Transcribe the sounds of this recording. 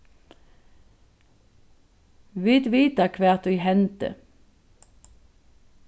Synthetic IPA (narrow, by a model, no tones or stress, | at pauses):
ʋit̪ʋiːt̪ɑkʰʋæːʁt̪ʉːhɛnt̪ə̰